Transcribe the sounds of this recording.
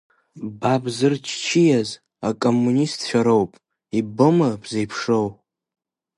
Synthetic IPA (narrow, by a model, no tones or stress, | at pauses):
babzɨrt͡ʃʰt͡ʃʰijaz | akʼomːunistʰt͡ʃʷᶣaɾo̞wpʼ | ibɨmɨbʰzejpʰʂow